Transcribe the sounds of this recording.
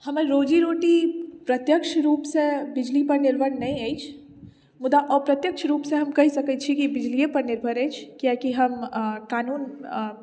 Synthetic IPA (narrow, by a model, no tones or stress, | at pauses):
hɐməɾɾoːd͡ʒiɾoːʈipɾɐt̪jəkʃɾuːpsebɪd͡ʒlipɐɾnɪɾbʱəɽnɐɦĩeit͡ʃʰ | mʊd̪aʔɔːɾpɾɐt̪jəkʃɾuːpseɦɐmkɐɦisɐkət͡ʃʰikibɪd͡ʒlijəpɐɾnɪɾbʱəɾeːt͡ʃʰkjakiɦɐmkaːnuːn